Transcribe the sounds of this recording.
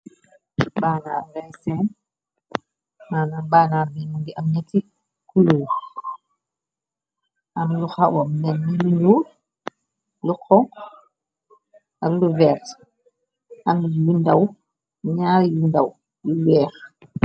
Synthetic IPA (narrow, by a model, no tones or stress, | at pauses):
baːnamlɛjsɛːn | maːnabaːnabiːmuŋɡiʔɐmɲati | kuluː | ʔɐmluxawɔmnɛnːiluɲuː | lukʰːɔŋ | ʔɐmluvɛːɾt | ɐmjundaw | ɲaːɾjundɐw | luwɛːx